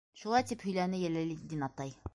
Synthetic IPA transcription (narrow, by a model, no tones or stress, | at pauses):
ʃulˠɑjt̪iphɵ̆jlænɘjælælid̪inɑt̪ɑj